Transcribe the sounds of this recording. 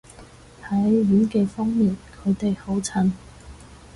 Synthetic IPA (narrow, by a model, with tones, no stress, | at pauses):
hɐ˨˥jɥyː˨˥nkeː˧fɔː˥ŋmiː˨nkʰɵ˨˧ɥt̪e˨jho˨˥wt͡sʰɐ˨˧˥n